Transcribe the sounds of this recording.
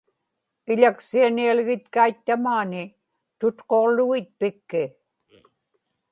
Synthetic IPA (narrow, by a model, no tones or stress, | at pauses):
ɪʎaksianialɣɪt̪kait̪ːamaːnɪ | t̪ʊt̪qo̞ʁlʊɣɪt̪̚pɪkːɪ